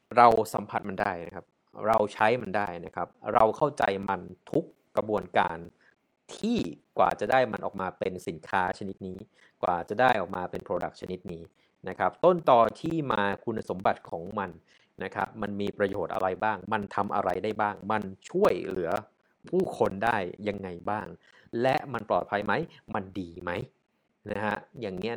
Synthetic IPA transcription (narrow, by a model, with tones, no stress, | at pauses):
ɾa˧wsa˩˦mpʰa˧t̪̚ma˧ndaː˥˩jna̰˦˥kʰa˦˥p̚ | ɾa˧wt͡ɕʰa˦˥jma˧ndaː˥˩jna˦˥kʰa˦˥p̚ɾa˧wkʰa˥˩wt͡ɕa˧jma˧nt̪ʰu˦˥kːɾa˧bu˧ənka̰ː˧n | t̪ʰiː˥˩kwa̰ː˨˩t͡ɕa˨˩daː˥˩jma˧nʔɔ̰ː˨˩k̚maː˧pe˧nsi˩˦nkʰaː˦˥t͡ɕʰa˧ni˦˥t̪̚niː˦˥ | kwa̰ː˨˩t͡ɕa˨˩daː˥˩jʔɔː˨˩k̚maː˧pe˧npʰɾoː˧da̰˨˩k̚t͡ɕʰa˧ni˦˥t̪̚niː˦˥ | na˦˥kʰa˦˥p̚t̪o˥˩nt̪ɔː˧˩t̪ʰiː˥˩maː˧kʰu˧na˧so˩˦mba˨˩t̪̚kʰɔː˩˦ŋma˧n | na˦˥kʰɾa˦˥p̚ma˧nmiː˧pɾa˧joː˨˩t̪̚ʔa̰˧ɾa˧jbaː˥˩ŋma˧nt̪ʰa˧mʔa̰˧ɾa˧jdaː˥˩jbaː˥˩ŋma˧nt͡ɕʰu˥˩əjlɯ˩˦ɐ | pʰuː˥˩kʰo˧ndaː˥˩jːa˧ŋːa˧jbaː˥˩ŋ | lɛ˦˥ʔma˧nplɔ̰ː˨˩t̪̚pʰa˧jma˦˥jma˧ndiː˧ma˦˥j | na˦˥kʰa̰˦˥jaː˨˩ŋni˦˥ɐ